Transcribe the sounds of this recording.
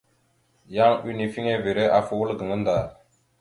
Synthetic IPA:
ja˦ŋi˦ni˨fi˦ŋe˦ve˨ɾe˦ʔa˨fu˨wə˦lɡə˨ŋə˦nd̪a˨l

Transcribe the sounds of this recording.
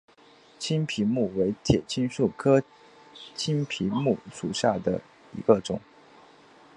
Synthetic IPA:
t͡ɕʰi˥npʰi˧˥mu˥˩we˧˥ɪt̪ʰjɛ˨˩t͡ɕʰi˥nʂu˥˩kʰɤ˥ | t͡ɕʰi˥npʰi˧˥mu˥˩ʂu˨˩ɕja˥˩d̪ə̰˩ | ḭ˧˥ɡə˧ʈ͡ʂʊ̰˨˩˦ŋ

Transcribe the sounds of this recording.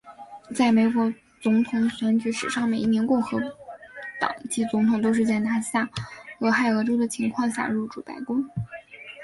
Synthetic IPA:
t͡sa˥˩ɪme˨˩ɪkwɔ˧˥ | t͡sʊ˧˥ŋt̪ʰʊ˧˥ŋɕɥɛ˧˥nt͡ɕy˧˥ʂɻ̩˨˩ʂɑ˥˩ŋme˨˩ɪi˥njɛ˧˥nkʊ˥˩ŋxɤ˧˥ | t̪ɑ̰˨˩ŋt͡ɕi˥˩t͡sʊ˧˥ŋt̪ʰʊ˨˩ŋt̪o˥ʊʂ̬ɻ̩˥˧t͡sa˥˩ɪt̪ʰa˥ɕja˥˩ɤ˧˥xa˥˩ɪɤ˧˥ʈ͡ʂo˥ʊd̪ə˨t͡ɕʰi˧˥ŋkʰwɑ˥˧ŋɕja̰˥˧ɻu˥˩ʈ͡ʂu˥˩pa̰˧˥ɪkʊ˥ŋ

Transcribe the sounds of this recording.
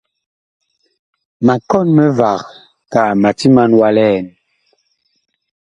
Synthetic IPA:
ma˨kɔ˦nmɛ˦va˨ɣ | ka˨ma˨ti˦ma˦nwa˦lɛ˦˨n

